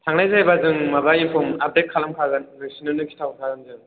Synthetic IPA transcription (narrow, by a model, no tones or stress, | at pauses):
tʰaŋnajzajbazɯŋmabainpʰɔmap̚det̚kʰalamkʰaɡɯnlek̚sinɯnɯkʰi̥tʰawtʰaɡɯnzɯŋ